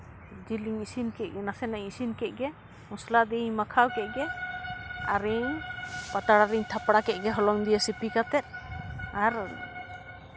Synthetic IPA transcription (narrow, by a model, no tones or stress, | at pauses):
d͡ʒiliŋisinkɛʔ̚ɡɛnasɛnaɲisinkɛʔ̚ˀɡɛ | mɔslad̪iɲmakʰawkɛʔ̚ɡɛ | aɾiɲpat̪aɽaɾiɲt̪ʰapɽakɛɡɛɦɔlɔŋd̪ijasipikat̪ɛt̪̚ˀaɾ